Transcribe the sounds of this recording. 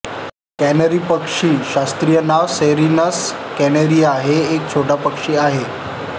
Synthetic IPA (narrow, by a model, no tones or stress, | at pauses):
kænəɾiːpəkʂiːɕast̪ɾijənaʋseɾinəskɛnəɾiːaɦeːk̚t͡ɕʰoʈapəkʂiːaɦe